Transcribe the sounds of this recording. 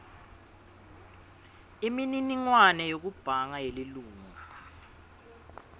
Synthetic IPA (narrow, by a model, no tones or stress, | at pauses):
imininiŋwanɛjok̬ub̥ʱaŋajeliluːŋa